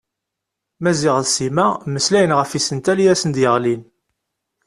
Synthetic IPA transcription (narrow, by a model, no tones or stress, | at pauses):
mæzɪʁəlsimæməslæjənʁəfisənt̪æljæsənd̪jəʁlin